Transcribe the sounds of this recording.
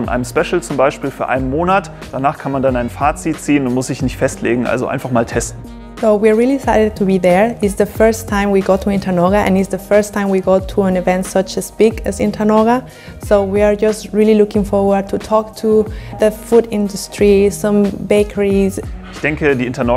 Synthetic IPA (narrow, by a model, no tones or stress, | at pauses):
ɔnʔa̰ɪnəmspɛʃl̩t͡sʊmbaɪʃpiːlfyːɐʔaɪnənmoːnat | d̥anaːχkʰanmandanaɪnfaːt͡sit̚t͡siːənʊntmʊsz̥ɪçnɪçtfɛstʰlḛːɡŋ̩ʔa̰lzo̰ʔa̰ɪnfaχmaːltʰɛstn̩ | soʊwiɹɹilˠidɪsaɪɾɨd̚tʰubiðə˞ɪsðəfɜ˞stʰãɪ̃mwiɡotʰuɪ̃ntʰanɔɡaʔɛ̰̃nɪtsðəfɜ˞stʰãɪ̃mwiɡotʰuə̃nɪvɛ̃ntsʌt͡ʃɨzb̥ɪɡɨzɪ̰̃ntʰanɔɡa | soʊwiə˞d͡ʒʌstɹilˠilʊkɪ̃ŋfɔɹwə˞d̚tʰutʰɔktʰuðəfuɾɪ̃ndustʰɹisʌ̃mbeɪkʰəɹizʔɪçd̥ɛŋkədiːɪntanɔ